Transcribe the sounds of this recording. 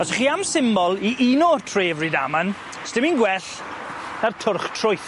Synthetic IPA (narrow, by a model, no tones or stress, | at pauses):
ɔsəχiːamsɪmbɔlˠiʔinɔtʰreːvrida̰man | stɪminɡwɛɬ | nartʰʊrχtʰrʊjθ